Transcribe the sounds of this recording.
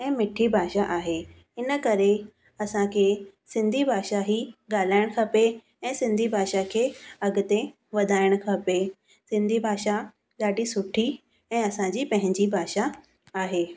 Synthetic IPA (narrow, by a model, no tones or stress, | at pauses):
ɛ̃ːmɪʈʰibʱaːʃaʔaːɦe | ɪnə̆kɐɾe | ɐsãkʰesɪ̃nd̪ʱibʱaːʃaɦiɡaːl̤aːɪɽ̃kʰɐpe | ɛ̃ːsɪ̃nd̪ʱibʱaːʃakʰeːɐɡʊt̪e | ʋɐd̪ʱaːɪɽ̃kʰɐpe | sɪ̃nd̪ʱibʱaːʃa | ɠaːɖisʊʈʰi | ɛ̃ːɐsãd͡ʑiːpɐ̃ɦɪ̃ɲd͡ʑibʱaːʃa | aːɦeː